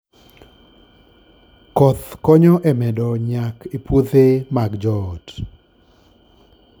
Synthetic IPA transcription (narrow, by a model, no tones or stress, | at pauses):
kɔt̪kɔɲɔʔɛmɛdɔɲakʰepot̪emaɡd͡ʒɔt